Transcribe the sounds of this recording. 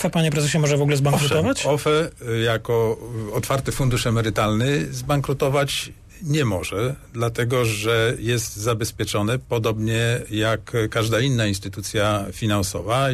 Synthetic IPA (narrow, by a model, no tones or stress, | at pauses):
fɛpaɲɛpɾɛzɛɕɛmɔʐɛvɔɡulɛzbaŋkɾut̪ɔvat͡ɕɔfɛjakɔɔt̪faɾt̪ɘfund̪uʂɛmɛɾɘt̪alnɘzbaŋkɾut̪ɔvat͡ɕ | ɲɛmɔʐɛd̪lat̪ɛɡɔʐɛjɛst̪zabɛspʲjɛt͡ʂɔnɛpɔd̪ɔbɲɛjakkːaʐd̪ainːainst̪ɘt̪ut̪sʲjafʲinansɔ̰va